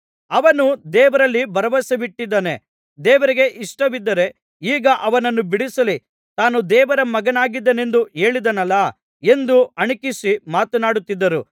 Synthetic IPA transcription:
ɐʋɐnud̪ɛːʋɐɾɐlːibɐɾɐʋɐsɐʋiʈːid̪ːɐne | d̪ɛːʋɐɾiɡe̞ʔiʂʈɐʋid̪ːɐɾe̞ | iːɡɐʔɐʋɐnɐnːubiɽisɐli | t̪aːnud̪ɛːʋɐɾɐmɐɡɐnaːɡid̪ːɐne̞nd̪ue̞ːɭid̪ɐnɐlːɐ | e̞nd̪uɐɳikisimaːt̪unaːɽut̪ːid̪ːɐɾu

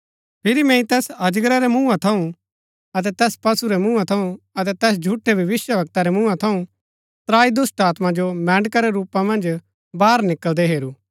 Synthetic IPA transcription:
pʰɪɾimɛ̃ĩt̪ɛːsɐd͡ʒɡɾaɾɛmũːãt̪ʰɐũ | ɐt̪̬ɛt̪ɛːspɐsuɾɛmũːat̪ʰɐũ | ɐt̪ɛt̪ɛːs̬d͡ʒʱuʈʰːebʱɐʋɪsjəbɐk̚t̪aɾɛmũːãt̪ʰɐũ | t̪ɾaːid̪ʊsʈaːt̪mãd͡ʒomɛ̃ːɳɖkaɾɛɾuːpamɐ̃nd͡ʒ | baːɾnɪkəld̪ɛɦeːɾu

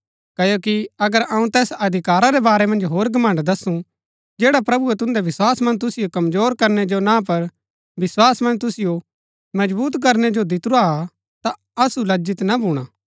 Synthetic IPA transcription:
kɐjoːkiɐɡəɾɐ̃ːũt̪ɛːsɐd̪ʱɪkaːɾaɾɛbaːɾɛmɐ̃nd͡ʒɦoːɾɡʱɐmɐ̃ɳɖd̪ɐsũ | d͡ʒɛːɽapɾɐbuet̪ʊ̃nd̪ɛʋɪswaːsmɐ̃nd͡ʒt̪ʊsɪjokɐmzoːɾkɐɾnɛd͡ʒonãːp̬ɐɾ | ʋɪswaːsmɐ̃nd͡ʒt̪ʊsɪjo | mɐd͡ʒbuːt̪k̬ɐɾnɛd͡ʒod̪ɪt̪ʊɾa | t̪a | ɐsulɐd͡ʒɪt̪nabʱuːɽ̃aː

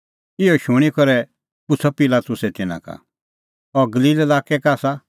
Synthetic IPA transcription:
ɪɔʃʊɽ̃ikɔɾɛ | pʊt͡sʰɔpilat̪ʊsɛt̪ɪnã̰ka̰ | ɔɡɐliːlɛlaːkɛkaːsa

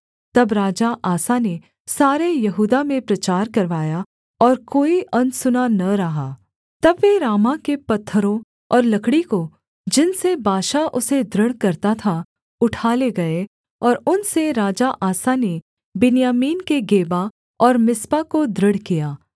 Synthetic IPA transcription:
t̪ɐbɾaːd͡ʒaʔaːsane | saːɾejɐɦuːd̪amẽpɾɐt͡ʃaːɾkɐɾʋaːja | ɔːɾkoːiʔɐ̃nsʊnanɐɾɐɦaː | t̪ɐbʋeɾaːmakepɐt̪ʰːəɾõ | ɔːɾlɐkɽiko | d͡ʒɪnsebaːʃaʔʊsed̪ɾəɽkɐɾt̪at̪ʰa | ʊʈʰaːleɡɐe | ɔːɾʊnseɾaːd͡ʒaʔaːsane | bɪnijaːmiːnkeɡeːba | ɔːɾmɪspakod̪ɾəɽ̤kijaː

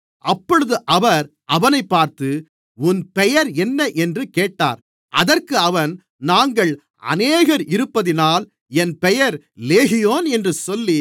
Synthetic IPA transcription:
ʔɐpːɔɻɯðɯʔɐʋɐɾ | ɐʋɐnɐɪpːaːɾt̪ɯ | ʊnpɛjɐɾɛnːɐʔɛndrɯkeːʈːa̰ːɾ | ʔɐðɐrkɯɐʋɐn | naːŋɡɐɭ | ɐ̰neːɣɐɾɪɾɯpːɐðɪnaːl | ɛnpɛjɐɾ | leːɣɪjoːnɛndrɯsɔlːi

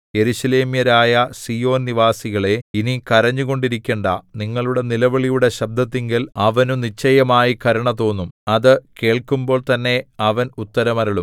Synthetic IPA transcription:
je̞ɾuɕɐle̞ːmjɐɾaːjɐsijo̞ːnniʋaːsiɣɐɭe̞inikɐɾɐɲːuɣo̞ɳɖiɾikʲːeːɳɖɐ̰niŋːɐɭuɽe̞nilɐʋɐɭijuɽe̞ɕɐb̚d̪ʱɐt̪ːiŋɡilɐʋɐnunit͡ɕːɐjɐmaːjikɐɾɐɳɐt̪o̞ːnːumɐðɨke̞ːɭkumbo̞ːɭt̪ɐnːe̞ɐʋɐnut̪ːɐɾɐmɐɾɐɭum

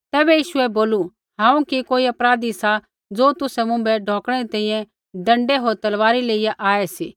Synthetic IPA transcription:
t̪ɛːbɛjiːʃʊɛboːlu | ɦãːũkikoːiɐpɾaːd̪isa | d͡zoːt̪ʊsɛmʊ̃mbɛɖʱoːkɽ̃ɛɾit̪ɛ̃ĩjɛ̃ | ɖɐ̃ɳɖɛɦoːɾt̪ɐlʋaːɾileːijaʔaːɛsiː

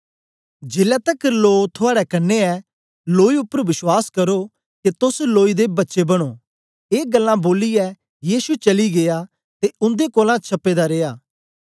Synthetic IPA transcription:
d͡ʒeːlɛt̪ɐkloːt̪ʰʊaːɽɛkɐnːeɛː | loːiʊpːəɾʋɪswaːskɐɾo | ket̪ʊsloːid̪ebɐtːʃebɐɽ̃oː | eːɡɐlːãboːlijɛ | jiːsut͡ʃɐliɡeːja | t̪eʊ̃nd̪ekoːlãt͡ʃʰɐpːeːd̪aɾeːjaː

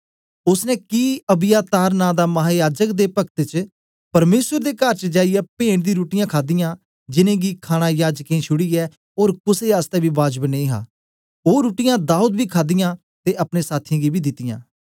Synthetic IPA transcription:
ʊsnɛ̃ːkiːəbɪjaːt̪aːɾnãːd̪aːməɦaːjaːd͡ʒəkd̪eːpək̚t̪et͡ʃ | pəɾmeːsəɾd̪eːkəɾt͡ʃd͡ʒaːijɛːpẽːɳd̪ĩːɾuːʈɪjãːkʰaːd̪ijãː | d͡ʒɪnẽːɡiːkʰaːɽ̃aːjaːd͡ʒkẽːt͡ʃʰʊɽiːɛː | oːɾkʊseːaːst̪ɛːbiːbaːd͡ʒbənẽĩːɦã̰ː | oːɾuːʈɪjãːd̪aːuːd̪biːkʰaːd̪ɪjãː | t̪eːʔəpnẽːsaːt̪ʰĩːɡiːbʱiːd̪ɪt̪ːɪjã̰ː

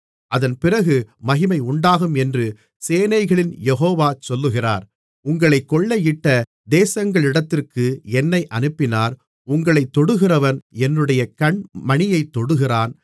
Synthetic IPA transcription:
ʔɐðɐnpɪrɐɣɯmɐɣɪmɐɪʊɳɖaːɣɯmɛndrɯ | seːnɐɪɣɐɭɪnjɛɦoːʋaːt͡ʃɔlːɯɣɪra̰ːɾ | ʊŋɡɐɭɐɪkːɔɭːɐjɪʈːɐ | d̪eːsɐŋɡɐɭɪɽɐt̪ːɪrkɯɛnːɐɪʔɐnɯpːɪnaːɾ | ʊŋɡɐɭɐɪt̪ːɔɽɯɣɪrɐʋɐnɛnrɯɽɐjɐkɐɳmɐɳɪjɐɪt̪ːɔɽɯɣɪraːn

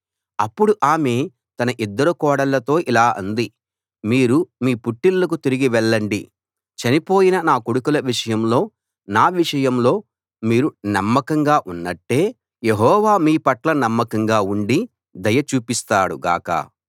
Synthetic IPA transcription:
ɐpːuɽuʔaːme̞ː | t̪ɐnɐʔid̪ːɐɾukɔːɽɐlːɐt̪o̞ːʔilaːʔɐnd̪i | miːɾumiːpuʈːilːɐk̬ut̪iɾiɡiʋɛɭːɐɳɖḭ | t͡ʃɐnipo̞ːjinɐnaːkuɽukulɐʋiʂɐjɐmlo̞ː | naːʋiʂɐjɐmlo̞ː | miːɾunɐmːɐkɐŋɡaːʔunːɐʈːe̞ː | je̞ɦɔːʋaːmiːpɐʈlɐnɐmːɐkɐŋɡaːuɳɖi | d̪ɐjɐt͡ʃuːpist̪aːɽuɡa̰ːkɐ̰

